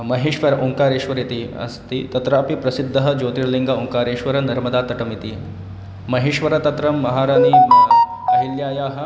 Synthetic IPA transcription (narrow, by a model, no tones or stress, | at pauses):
mɐɦeːʃʋɐɾʔuŋkaːɾeːʃʋɐɾit̪iɐ̰st̪it̪ɐt̪ɾaːpipɾɐsid̪ʱːɐɦɐd͡ʒoːt̪iɾliŋɡauŋkaːɾeːʃʋɐɾɐnɐɾmɐd̪aːt̪ɐʈɐmit̪i | mɐɦeːʃʋɐɾɐt̪ɐt̪ɾɐmːɐɦaːɾaːnimɐɐɦiljaːjaːɦɐ̆